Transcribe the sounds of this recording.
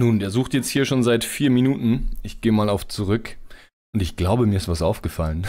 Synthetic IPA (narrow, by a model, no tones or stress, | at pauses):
nuːndeːɐzuːxtjɛt͡sthiːɐʃoːnzaɪtfiːɐminuːtn̩ʔɪçɡ̥eːəmaːlaʊft͡suʁʏk | ʔʊntɪçɡ̥laʊbəmiɐɪstv̥asʔaʊfɡ̥əfalən